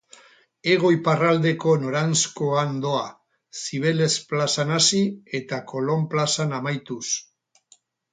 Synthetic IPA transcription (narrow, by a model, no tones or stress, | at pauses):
e̞ɣ̞o̞jparald̪e̞ko̞no̞ɾanskoand̪o̞a | siβ̞e̞le̞splasanasie̞t̪ako̞lo̞mplasanamajt̪us